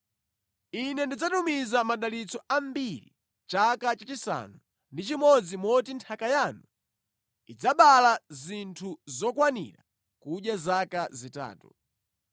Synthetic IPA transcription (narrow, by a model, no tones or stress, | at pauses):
inɛndid͡zatumizamaɗalit͡sɔam̩biɾḭ | t͡ʃakat͡ʃat͡ʃisa̰nu | ndit͡ʃimɔd͡zimɔtintʰakajanu | id͡zaɓalazintʰuzɔkwanḭɾa̰ | kuɗjazakazita̰ːtu